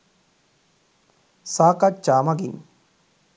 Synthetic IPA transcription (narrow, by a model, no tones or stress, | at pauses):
saːkat͡ʃaːmɐɡin